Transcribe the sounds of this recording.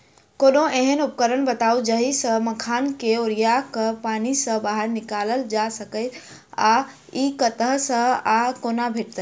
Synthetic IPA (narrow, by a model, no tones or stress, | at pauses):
konoeɦənup̚kəɾənbət̪aud͡ʒəɦisə̃məkʰaːnkeoɾijakəpanisə̃baɦəɾnɪkaləld͡ʒasəkəɪt̪ | a | ikət̪əɦsə̃akonabʱeʈ̚t̪ə